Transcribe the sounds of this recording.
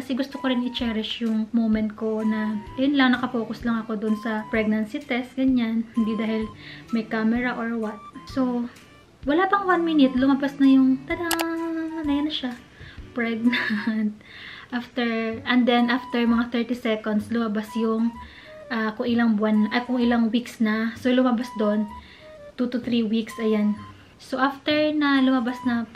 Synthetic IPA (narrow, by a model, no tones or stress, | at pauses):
kɐsɛɡʊst̪okoɾɪnɪt͡ʃɛːɾɪʃjʊŋmowmɛnt̪̚ko̞nɐt̪ɐʊnlɐŋnɐkɐpo̞ːkʊslɐŋɐko̞d̪ʊnsɐpɹɛɡ̚nɐnsit̪ɛst̪̚ɡɐɲanhɪnd̪id̪aːhɪlmɐjkamɛɹɐʔoɹwɐt̪̚so̞ | wɐlapɐŋwanminɪt̪lʊmɐbasnɐjʊŋt̪ɐla | nɐjɐnɐʃa | pɹɛɡ̚nant̪̚ | ʔaft̪ɛɹʔɛnd̪ɛnʔaft̪ɛɹmɐŋaθɛɹt̪isɛkond̪slʊmɐbasjʊŋ | ʔakʊŋʔɪlaŋbʊanʔɐkʊŋʔɪlaŋwiksnɐsolʊmɐbasd̪on | t̪ut̪ʊt̪ɾiwiksʔɐjan | soʔaft̪ɛɹnɐlʊmɐbasnɐ